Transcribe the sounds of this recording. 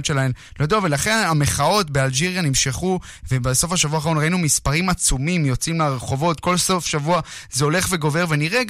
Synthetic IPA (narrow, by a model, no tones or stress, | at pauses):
ʃe̞laem | lod̪uavelaχe̞nameχao̞tbe̞ald͡ʒiʁjanimʃeχu | vebeso̞fhaʃavuaːaʁonʁainumispaʁimat͡sumimjo̞t͡simleaʁeχo̞vo̞t̪ko̞lso̞fʃavuazeo̞le̞χve̞ɡo̞ve̞ve̞niʁe